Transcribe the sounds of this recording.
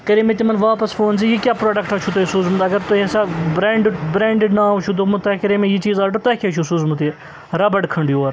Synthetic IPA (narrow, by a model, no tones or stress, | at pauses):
kɐɾiːmet̪imɐnʋaːpɐsfoːns̬ijiːkʲjaːpɾoːɖɐkʈɐt͡ʃʰut̪oisuːzmut̪ɐɡɐɾt̪oɦesabɾeːɳɖbɾẽːɳɖɪɖnaːt͡ʃʰud̪omut̪ɐkɐɾiːmẽjit͡ʃiːzaːʈot̪ɐkʰeːt͡ʃʰusuːzmut̪i | ɾɐbɐɖkʰɐɳɖjuɐɾ